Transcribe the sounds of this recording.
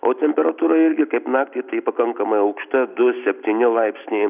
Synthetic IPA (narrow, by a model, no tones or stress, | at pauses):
oːt̪ʲɛmʲpʲɛɾɐt̪uːɾɐɪɾʲɡʲɪkɐɪpnɑːk̚t̪ʲiːt̪ɐɪpɐkɐŋkɐmɐɪɐʊkʃt̪ɐd̪ʊsʲɛpʲt̪ʲiːnʲɪlˠɐɪpʲsʲnʲɛɪ